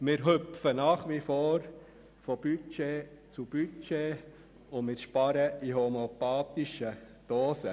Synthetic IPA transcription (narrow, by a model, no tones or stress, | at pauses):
mɪːɾɦøpfənɑːχʋifoːɾ | fob̥yt͡ʃe | t͡sub̥yt͡ʃe | ʊmɪɾʃpɑɾəiɦomeopɑːt̪iʃə | d̥oːsə